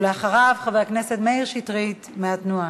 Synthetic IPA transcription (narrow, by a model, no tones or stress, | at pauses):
leaχaʁavχaveakneset̪meiʁʃitʁit̪meat̪nua